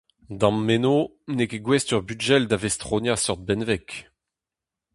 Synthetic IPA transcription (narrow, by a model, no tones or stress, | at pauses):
d̪ɑ̃mːeno | nekeɡwɛstyʁbyʒɛld̪avɛst̪χonjasœʁd̪̚bɛnvɛk